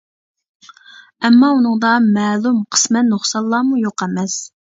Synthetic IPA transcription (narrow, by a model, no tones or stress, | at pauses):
ɛmːɑunɨŋd̪ɑmɛːlˠumqʰə̥smɛt̪noχsɑlˠːɑːmujoqɛmɛs